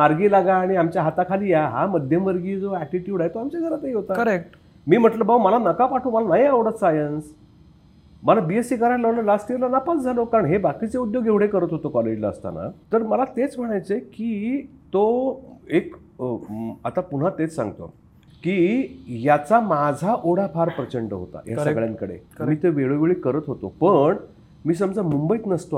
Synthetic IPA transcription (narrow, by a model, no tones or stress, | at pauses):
maɾɡiːlaɡaːɽ̃iamt͡ɕjaɦat̪akʰaliːjaɦaməd̪ʱjəmʋəɾɡiːd͡zoæʈiʈjuːɽajt̪oamt͡ɕaɡʱəɾat̪eiɦot̪aəɾek̚ʈ | miːm̤əʈləbauməlanəkapaʈʰuːməlanaɦiaʋɽət̪sajəns | məlabiesikəɾaʈləʋləlast̪iɾlanapat͡sd͡zʱalokaɾəɳɦebakit͡seud̪joɡeʋɽ̤ekəɾət̪ɦot̪okɔled͡ʑlaə̰st̪a̰na̰t̪əɾməlat̪et͡sm̤əɽ̃ajt͡sekiːt̪oek | at̪apun̤at̪et͡ssã̰ŋɡt̪o̰ | kijat͡samad͡zʱaʔoɽ̤apʰaɾpɾət͡ɕəɳɖəɦo̰t̪a̰jasəɡɭjaŋkəɽḛmiːt̪eʋeɭoʋeɭiːkəɾət̪ɦot̪opəɳ | miːs̬əmd͡zʱamumbəiːt̪nəst̪oa